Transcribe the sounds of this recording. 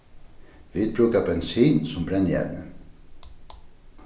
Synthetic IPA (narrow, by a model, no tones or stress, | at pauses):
ʋiːd̪̚bɾʉːkabɛnsiːnsɔmbɾɛnjɛ̰ʋnə